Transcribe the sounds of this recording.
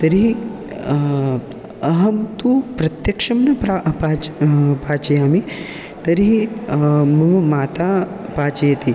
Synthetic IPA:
t̪ɐɾi | ɐɦɐmt̪upɾɐt̪jɐkʂɐmnɐpapaːpaːt͡ʃɐjaːmi | t̪ɐɾi | mɐmaːt̪apaːt͡ʃɐjɐt̪i

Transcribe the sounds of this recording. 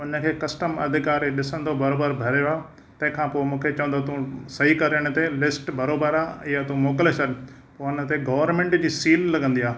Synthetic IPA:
ʊnə̆kʰeːkɐsʈəmɐ̰d̪ʱɪkaːɾeɗɪsə̃nd̪obɐɾoːbəɾbʱɐɾjoaː | t̪ɐ̃ɦɪ̃kʰãːpoːmũːkʰet͡ɕɐʋə̃nd̪ot̪ũsɐɦikɐɾəɽ̃ʊ̆t̪elɪsʈbɐɾoːbəɾaːɪjat̪uũmoːkɪlesɐɗ | poːʊnə̆t̪eɡɐʋəɾmẽːɳʈd͡ʑiːsiːlːɐɠə̃nd̪iaː

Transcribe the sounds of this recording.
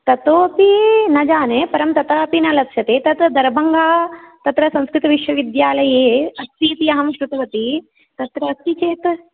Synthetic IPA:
t̪ɐt̪oːpinɐd͡ʒaːnepɐɾɐmt̪ɐt̪aːpinɐlɐkʃʰɐt̪eːt̪ɐt̪d̪ɐɾbɐŋɡaːt̪ɐt̪ɾɐsɐ̃skɾɪt̪ɐʋiʃʋɐʋid̪jaːlɐjeːɐst̪iːt̪iɐɦɐmʃɾut̪ɐʋɐt̪i | t̪ɐt̪ɾɐːsit͡ʃeːt̪

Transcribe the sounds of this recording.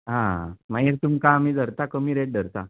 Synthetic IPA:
ɦãmajeɾt̪umkaːmiːd̪ʱəɾt̪akəmiːɾeʈ̚ɖʱəɾt̪a

